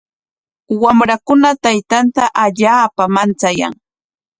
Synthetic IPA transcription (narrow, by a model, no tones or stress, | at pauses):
wamɾakʊnat̪ajt̪ant̪aʔaʎaːpamant͡saja̰ŋ